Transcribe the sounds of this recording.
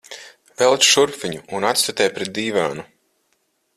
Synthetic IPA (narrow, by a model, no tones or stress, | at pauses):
vɛlˠt͡ʃ̪ʃuɾpfiɲuːnat̪st̪at̪ɛːjpɾɛt̪̚d̪iːvaːnu